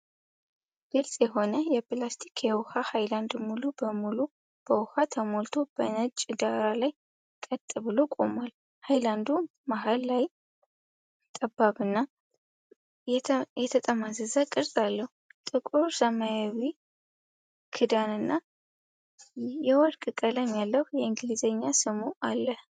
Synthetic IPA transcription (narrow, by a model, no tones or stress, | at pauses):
ɡ̥ɨlsʼjɛɦo̞nəjɛpɨlast̪ʰi̥kʰjɛwhahajland̪mulubəmulu | b̥əwʊhat̪ʰəmo̞lt̪ʰo̞b̥ənət͡ʃʼːd̪aɾalaj | kʼət̪ʼːɨβɨlo̞kʼo̞mal | hajland̪u | maɦalːaj | t̪ʼəbːaβɨnːa | jɛt̪ʰət̪ʼəmazəzəkʼɨɾsʼalːəhut̪ʼɨkʼoɾsəmajawi | kʰɨd̪anɨnːa | jɛwɔɾkʼɨkʼələmjalːəhjɛɨŋɡlizəɲːasɨmuʔalːəh